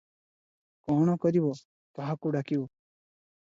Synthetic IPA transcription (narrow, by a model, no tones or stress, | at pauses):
kɔɽ̃ɔkɔɾibɔ | t̪ɔɦakuɖakibɔ